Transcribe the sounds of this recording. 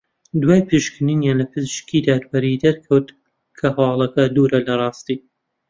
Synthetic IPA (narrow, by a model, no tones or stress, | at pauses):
d̪waːjpʰɨʃkɨninjaːnlɐpʰɨzɨʃkid̪aːd̪bɐɾid̪ɐɾkʰɐwt̪ | kʰɐhɐwɑːlˠɐkɐd̪uɾɐlɐrˤɑːst̪iː